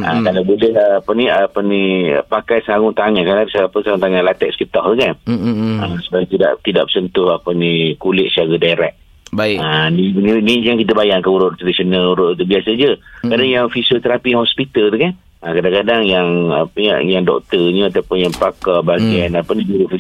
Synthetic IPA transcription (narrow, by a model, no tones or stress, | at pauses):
ʔa̰kalawbulɛhapəniapənḭpakajsaŋʊŋt̪aŋakadasapəsaŋʊ̃ŋt̪aŋãlat̪ɛʔ̚sə̥kit̪ɔk̚t̪ukanasəbaɡt̪ida̰ʔt̪ida̰ʔbəsənt̪ʊhapənikulɪʔ̪̚saɡadaɾɛk̚ | baianininid͡ʒaŋkit̪əbajaŋkəuɾʊʔt̪ɾadisonaluɾʊʔt̪ubiasəd͡ʒəkadaŋjaŋfisət̪əɾapiahɔspit̪əlt̪ukan | ʔakadaŋkadaŋjaŋapəɲa̰jaŋdɔ̰k̚t̪əɲəat̪awpʊnjaŋpakabaɡianapənid͡ʒuɾufi